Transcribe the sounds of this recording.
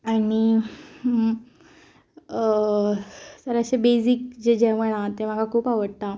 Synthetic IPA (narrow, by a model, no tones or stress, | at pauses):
ani | səɾəɕebesikd͡ʑed͡ʑeʋəɭ̃ãt̪em̤akakʰuːpaʋəɽt̪a